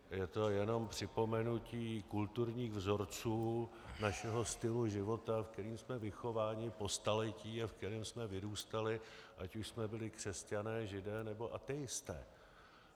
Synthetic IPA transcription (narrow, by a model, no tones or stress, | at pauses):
jɛt̪o̞jɛno̞mpr̥ɪpo̞mɛnuciːkult̪uɾɲiːɣvzo̞ɾt͡suː | naʃɛɦo̞st̪ɪluʒɪvo̞t̪afk̚t̪ɛɾiːmsmɛvɪxo̞vaːɲɪpo̞st̪alɛciːafkt̪ɛɾiːmsmɛvɪɾuːst̪alɪʔacuʃsmɛbɪlɪkr̝̥ɛscanɛːʒɪdɛːnɛbo̞ʔat̪ɛjɪst̪ɛ̰ː